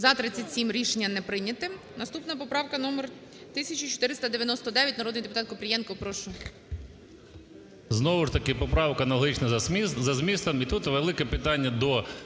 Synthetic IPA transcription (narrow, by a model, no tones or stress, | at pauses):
zɐt̪ɾɪt͡sʲːɐtʲsʲimɾʲiʃenʲːɐnɛpɾɪnʲɐt̪ɪ | nɐst̪upnɐpɔpɾɑwkɐnɔmer | t̪ɪsʲɐt͡ʃit͡ʃɔ̥t̪ɪɾɪst̪ɐd̪eʋʲjɐnɔst̪ɔd̪ɛjɐtʲnɐɾɔd̪nijd̪epʊt̪ɑt̪̚kɔpɾʲijɛnkɔpɾɔʃʊj | znɔʋʊʃt̪ɐkɪpɔpɾɑwkɐnɐlˠɦit͡ʃnɐzɐzmʲist̪ɐmit̪ut̪ʋelˠɪkɛpɪt̪ɑnʲːɐd̪ɔ